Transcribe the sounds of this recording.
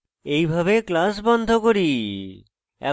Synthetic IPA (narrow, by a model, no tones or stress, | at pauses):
ejbʱaβeklas̬bɔnd̪ʱokoɾi | ɛ̰